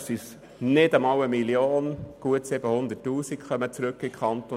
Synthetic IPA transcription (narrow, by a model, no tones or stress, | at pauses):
sis | nɪdɑmɑwəmiljoːnɡ̥uətsɪb̥əhʊnd̪ətːuːsikχœmət͡sɾʉkːɪkʰχɑnt̪o